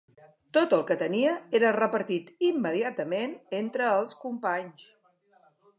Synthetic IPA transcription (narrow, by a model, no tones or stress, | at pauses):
t̪ot̪əlˠkət̪əniəeɾərəpəɾt̪it̪imːəðiat̪əmenent̪ɾəːlˠskumpaɲs